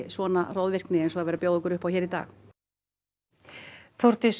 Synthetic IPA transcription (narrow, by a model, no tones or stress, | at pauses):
svɔːna̰rowðvɪr̥knɪɛnsɔaðvɛːɾapjoːwðɪŋkʏɾʏhpawçɛːɾit̪a̰ːx | θoɾ̥t̪ɪs